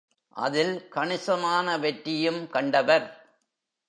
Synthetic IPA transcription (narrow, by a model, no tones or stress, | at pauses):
ʔɐ̰ðɪlkɐɳɪsɐmaːnɐʋɛʈːɪjɯmkɐɳɖɐʋɐɾ